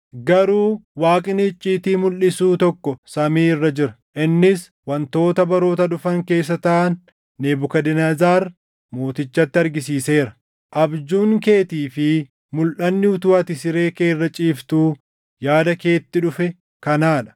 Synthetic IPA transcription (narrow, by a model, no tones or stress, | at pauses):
ɡɐɾuːwaːkʼɪnɪɪt͡ʃʼːiːt̪iːmʊlʔɪsuːt̪ɔkːɔsɐmiːɪrːɐd͡ʒɪɾɐ | ʔɪnːɪs | wɐnt̪o̞ːt̪ɐbɐɾo̞ːt̪ɐᶑʊfɐŋke̞ːs̬ːɐt̪ɐʔɐnː | eːbʊkɐd̪ɪnɐzaːɾ | mo̞ːt̪ɪt͡ʃːɐt̪ːɪɐɾɡɪsiːse̞ːɾɐ̥ | ʔɐbd͡ʒuːŋke̞ːt̪iːfɪ | mʊlʔɐnːɪʊt̪ʊːɐt̪ɪsɪɾe̞ːke̞ːrːɐt͡ʃʼiːft̪uː | jaːd̪ɐke̞ːt̪ːɪᶑʊfɛ | kɐnaːᶑɐ̥